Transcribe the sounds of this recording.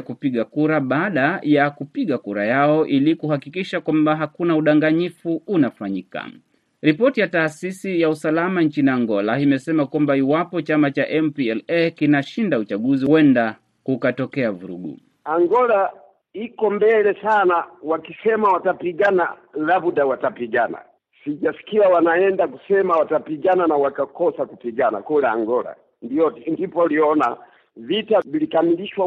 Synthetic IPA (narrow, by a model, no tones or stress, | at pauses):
kupiɠakuɾaɓaːɗajakupiɠakuɾa̰jaɔʔilikuhakikiʃakwambaɦakunauɗaŋɡaɲifuunafaɲika̰ | ɾipɔtijataːsisijausalamaɲt͡ʃiniaŋɡɔlaimɛsɛmakwambaiwapɔt͡ʃamat͡ʃaʔɛmpiɛlɛkinaʃindaut͡ʃaɠuziwɛnda | kukatɔkɛavuɾṵɡṵ | aŋɡɔla | ikɔmbɛlɛsanawakisɛmawatapiɡanalabudawatapiɡana̰ | siʄasi̥kiawanaɛndakusɛmawatapiɡananawakakɔsakupiɡana̰kulɛa̰ŋɡɔla̰ | ndiɔndipɔliɔna | vitavilikamiliʃwa